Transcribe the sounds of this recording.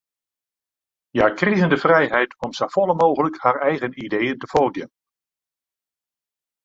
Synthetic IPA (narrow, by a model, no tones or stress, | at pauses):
jaːkrizəndəfrɛjɦɛjtʰɔmsəfɔlˠəmoːɣələkhaːrɛjɣənidejəntəfoldjən